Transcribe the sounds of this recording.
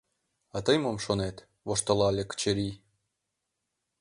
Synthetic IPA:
ɑt̪ɤjmomʃonet̪ | βoʃt̪ə̆lɑlʲekə̥t͡ɕĕɾʲi

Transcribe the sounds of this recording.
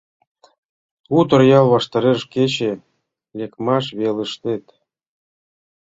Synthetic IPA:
ut̪ə̆rjɑlβɑʃt̪ɑɾeʃket͡ɕe | lʲekmɑʃβelə̆ʃt̪et̪

